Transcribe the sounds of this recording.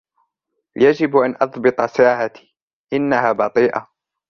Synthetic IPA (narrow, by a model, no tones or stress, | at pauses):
jad͡ʒɪbʔanʔɑðˤbɨt̪ˤɑsaːʕat̪i̥ː | ʔɪnːahaːbɑt̪ˤiːʔa̰